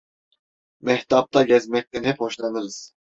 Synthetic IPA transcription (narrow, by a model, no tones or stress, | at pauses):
mɛht̪ʰap̚t̪ʰaɟɛzmɛc̚t̪ʰɛnhɛphoʃlˠanɯɾɯz̥